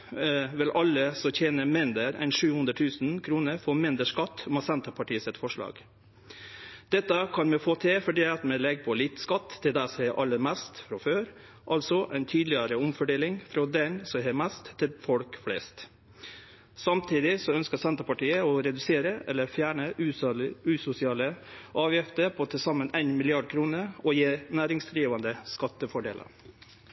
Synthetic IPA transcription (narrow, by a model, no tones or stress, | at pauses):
ʋɪlʔɑlːəsɔçeːnəmɪnd̪əɾæ̰ɪnʂʉːhʉnd̪ɾət̪ʰʉːsnkʰɾuːnəɾfɔɾmɪnd̪əʂkɑt̪ːʊmɑsɛnt̪əpʰɑʈiːəsɛt̪fɔʂɭɑ̰ːɡ̥ | d̪̥ɛt̪ːəkʰɑnmɛfoːt̪ʰefɔɖiːɑt̪mɛlɛɡpʰɔlɪt̪skɑt̪ʰːɪld̪æɪsɔhɛʔɑlːəɾmæst̪fɾɑføːɾ | ʔɑlsɔʔæɪnt̪ʰyːd̪lɪəɾəʊmfɔɖeːlɪŋfɾɑd̪ɛnsɔɦeːmæst̪ʰːɪlfɔlkflḛːst̪ | sɑmt̪ʰiːd̪ɪsɔœnskəsɛnt̪əpɑʈiːəɔɾɛd̪ʉseːɾəʔɛlːəfjæːɳəʉʉːsʊsɪɑːləʔɑːʋjɪft̪əɾpʰɔt̪ʰɪlsɑmːənæɪnmɪlɪɑɖ̚kʰɾuːnəɾɔjeːnæːɾɪŋsd̪ɾiːʋɑnd̪əskɑt̪ːəfɔɖḛːlʔə̰ɾ